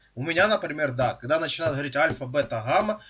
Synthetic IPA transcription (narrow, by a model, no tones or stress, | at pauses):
ʊmʲɪnʲanəpɾʲɪmʲe̞rd̪akɐɡd̪anət͡ɕɪnajɪt̪̚ɦʋɐɾitʲalʲfɐbɛt̪ɐɦamɐ